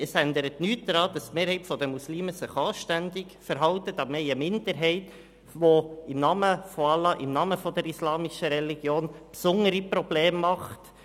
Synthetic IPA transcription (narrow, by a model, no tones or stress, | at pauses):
əsænd̪əɾətnyːtdɾɑːd̥ɑst̪meːɾhɛɪtfɔdəmusliːməsɪχɑːʃtændɪkfəɾɦɑwtətɑmɛɪəmɪndəɾɦɛɪt | ʋoɪmnɑːməfɔɑlɑʔɪmnɑːməfɔdəɾislɑːmiʃəɾɛliɡjoːnpsʊŋəɾipɾɔb̥leːmːɑχt